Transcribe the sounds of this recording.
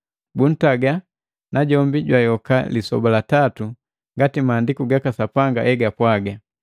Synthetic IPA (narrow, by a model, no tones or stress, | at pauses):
bun̩taɡa | naɟɔmbiɟwajɔkalisɔ̰balatatu | ŋɡatimaːndikuɡakasapaŋɡa̰ʔɛɡapwaɡa